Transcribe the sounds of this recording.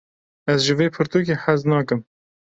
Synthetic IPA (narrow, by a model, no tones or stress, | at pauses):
ɛzʒɨveːpʰɨɾt̪uːk̬eːħæznɑːkɨm